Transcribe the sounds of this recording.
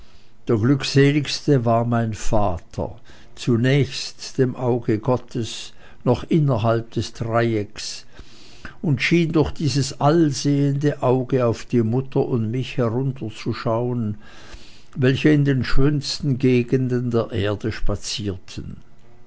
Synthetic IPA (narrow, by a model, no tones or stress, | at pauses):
d̥eːɐɡlʏkz̥eːlɪçstəvaːɐmaɪnfaːtʰɐ̰ | t͡sunɛːçstd̥eːmʔaʊɡəɡɔtʰəs | nɔχʔɪnɐɦalp̚d̥ɛsd̥ʁaɪɛks | ʊntʃiːndʊɐxd̥iːzəsalzeːəndəʔaʊɡəaʊfd̥iːmʊtʰɐʔʊntmɪçhɛʁʊntʰɐt͡suʃaʊən | vɛlçəɪndeːnʃøːnstn̩ɡeːɡəndəndeːɐʔeːɐdəʃpat͡siːɐtʰən